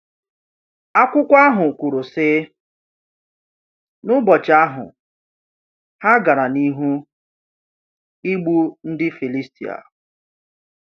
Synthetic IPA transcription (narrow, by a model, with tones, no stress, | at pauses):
a˦kʷʊ˦kʷa˦ɦʊ˨kʷu˨ɾu˨sɪ˦ | nʊ˦bɔ˨t͡ʃa˦ɦʊ̰˨ | ha˦ɡa˨ɾa˨ni˦ɦu˦ | i˦ɡ͡bu˦n̩˦dɪ˦fi˨li˦stḭ˨a̰˨